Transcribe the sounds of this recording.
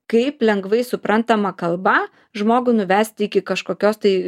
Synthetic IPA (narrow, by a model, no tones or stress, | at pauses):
kɐɪplʲɛŋɡʋɐɪsʊpɾʔɐnt̪ɐmɐkɐlˠbɐ | ʒmoːɡʊnʊʋʲæːsʲt̪ʲɪkʲɪkɐʃkoːkʲoːst̪ɐɪ